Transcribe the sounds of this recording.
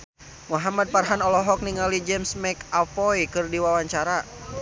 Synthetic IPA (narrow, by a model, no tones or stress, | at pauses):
muɦamad̪̚parɦanɔlɔɦɔk̚niŋalid͡ʒɛmsmɛkafɔjkɨrdiwawaɲt͡ʃaɾa